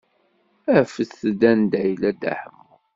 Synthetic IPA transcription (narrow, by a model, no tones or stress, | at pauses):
æfəsəd̪ænd̪æjlæd̪æ̰ħəmːu